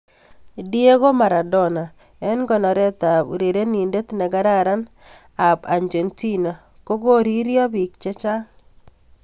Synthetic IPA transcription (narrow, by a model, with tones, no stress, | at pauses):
di˦e˦ɣo˦ma˨ɾa˨dɔ˦˨na˨ | ɛ˦nɡɔ˨nɔ˨ɾɛ˦t̪a˨bu˨ɾe˨ɾe˦ni˨nde˦t̪na˨ɡa˦ɾa˦ɾa˦n | a˨ba˨ɲd͡ʒe˨nti˦na˨ | ko˦ɡo˦ɾi˦ɾjɔ˦bi˨kt͡ʃɛ˦t͡ʃa˦